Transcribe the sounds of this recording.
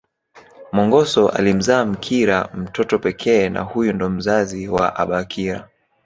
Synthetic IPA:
mɔŋɡɔsɔʔa̰lim̩zaːm̩kʰiɾam̩tɔtɔpɛkʰɛːna̰hujundɔm̩zaziwa̰ʔaɓakʰiɾa

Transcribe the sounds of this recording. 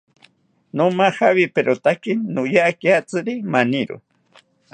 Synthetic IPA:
nomahawipeɾot̪akinnʊjakjat͡sɨɾimaniɾṵ

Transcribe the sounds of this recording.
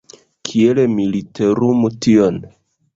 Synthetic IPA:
kʰie̞lemiliteɾumution

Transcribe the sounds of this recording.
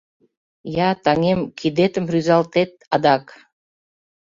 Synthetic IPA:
jɑt̪ɑŋemkʰid̪et̪ə̆mɾyzɑlˠt̪et̪̚ɑd̪ɑk

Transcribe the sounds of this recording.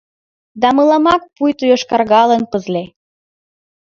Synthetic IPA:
d̪ɑmɤlɑmɑk̚pujt̪ujoʃkɑrɣɑlənpəzle

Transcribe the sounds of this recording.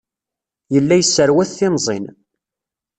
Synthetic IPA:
jəlːæjəsːəɾwæθθɪnzˤḭn

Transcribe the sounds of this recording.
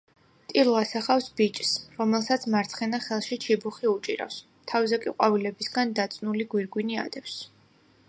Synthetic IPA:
t̪ʼiluasaχafsbit͡ʃʼsɾɔmɛlˠsat̪sʰmaɾt̪sʰχɛnaχɛlˠʃit͡ʃʰibuχiut͡ʃʼḭɾa̰fs | t̪ʰavzɛkʼiqʼwavilɛbisɡand̪at̪sʼnuliɡwiɾɡwinia̰d̪ɛps

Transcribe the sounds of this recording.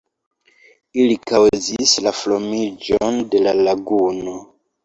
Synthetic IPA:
ilikawzislaflo̞mid͡ʒonde̞lalaɡuno̞

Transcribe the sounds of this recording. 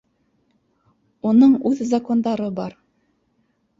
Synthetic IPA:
unɤɴʉðzɐko̞nd̪ɑɾɤbɑɾ

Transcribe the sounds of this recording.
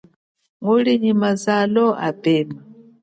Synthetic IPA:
ŋoliɲimazalɔʔa̰bɛma

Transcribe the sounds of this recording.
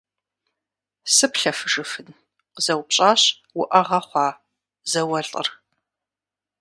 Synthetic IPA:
sɨpɬɐfɨʐɨfɨn | qzɐwpɕʼaːɕ | wʊʔɐʁɐχʷɑː | zɐwɐɬʼə̰r

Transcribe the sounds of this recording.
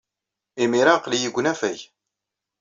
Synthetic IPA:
imiɾaqlijəɡʷːnæfæj

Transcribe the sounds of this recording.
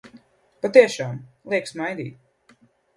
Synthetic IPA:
pat̪iɛʃaːmlˠiɛksmajd̪ḭːt̪̚

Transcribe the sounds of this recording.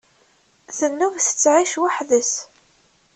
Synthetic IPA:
θənːuvθə̥t͡sːʕiʃwaħðəs

